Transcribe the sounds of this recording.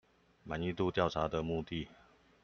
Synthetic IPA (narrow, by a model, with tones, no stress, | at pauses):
ma˨˦ni˥˧t̪u˥˧t̪jɑ˥˩ʊʈ͡ʂʰa˧˥d̪ə˨mu˥˧t̪i˥˨